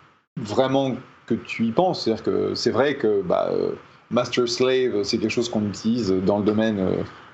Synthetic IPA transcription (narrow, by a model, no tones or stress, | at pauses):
vʁɛmɑ̃kət̪ʰyipɑ̃set̪ad̪iʁkə̰sɛvʁɛkəba̰ø̰ | mast̪ɛʁslɛvsɛkʲɛlkə̥ʃozkɔ̃nyt̪ʰilizød̪ɑ̃ləd̪ɔmɛnø̰